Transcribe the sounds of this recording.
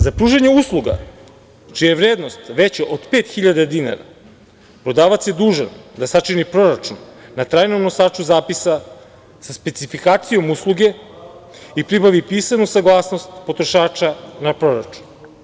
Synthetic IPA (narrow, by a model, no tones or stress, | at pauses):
zapɾuːʒeɲeuslˠuɡa̰ | t͡ʃijeʋɾeːd̪nost̪ʋet͡ɕaʔod̪peːt̪xiʎad̪ad̪ina̰ɾa̰ | pɾo̞d̪aːʋat̪sje̞d̪uːʒa̰nd̪asat͡ʃinipɾo̞ɾat͡ʃunːat̪ɾaːjnomnosaːt͡ʃuzaːpisa | saspet̪sifikaːt̪sijo̞muslˠuɡe̞ | ipɾibaʋipiːsanusaɡlˠaːsno̞st̪po̞t̪ɾoʃaːt͡ʃanapɾo̞ɾat͡ʃu̥n